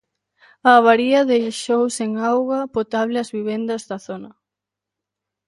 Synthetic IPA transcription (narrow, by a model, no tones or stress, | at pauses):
ɐβ̞aɾiɐðejʃowseŋawɣɐpot̪aβlɪɐzβiβ̞ɛnd̪ɐzðɐθonɐ